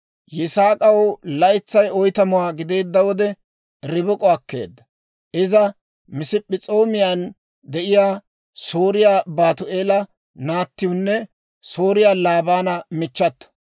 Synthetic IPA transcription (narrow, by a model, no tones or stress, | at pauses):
jɪsaːkʼɐwlɐjt͡sːɐjɔjt̪ɐmʊwaːɡɪd̪e̞ːd̪ːɐwɔd̪ɛ | ɾɪbɔkʼɔɐkːe̞̰ːd̪ːɐ | ʔɪzɐ | mɪsɪpʼːɪt͡sʼo̞ːmɪjaːn | d̪ɛʔɪjaː | so̞ːɾɪjaːbaːt̪ʊʔeːlɐ | naːt̪ːɪjʊnːɛ | so̞ːɾɪjaːlaːbaːnɐmɪt͡ʃːɐt̪ːɐ̥